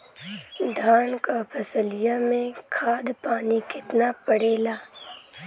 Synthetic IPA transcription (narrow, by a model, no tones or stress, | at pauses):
d̪ʱaːnkapʰɐsəlijamẽkʰaːd̪paːnikɪt̪napəɽeːlaː